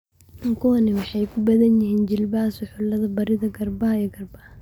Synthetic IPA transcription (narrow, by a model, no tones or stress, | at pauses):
ɐŋkʰʊwɐnɪwɑħɑjkʰʊbɐðɐnjɪhiːnd͡ʒɪlbaːsʊħʊlɐðɐbɐɾɪðɐɡɐrbɐɦɐiɡɐrbɐhɐ